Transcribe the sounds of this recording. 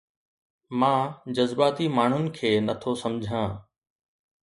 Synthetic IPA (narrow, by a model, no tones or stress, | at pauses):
mãːd͡ʑɐzbaːt̪imaːɳ̤ʊnɪ̆kʰeːnɐt̪ʰosɐmd͡ʑʱãː